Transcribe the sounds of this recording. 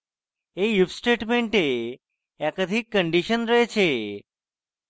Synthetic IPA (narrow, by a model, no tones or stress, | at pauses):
eufsʈeʈmeɳʈe | ɛkəd̪ʱikːəɳɖiʃənɾəɦet͡ʃʰe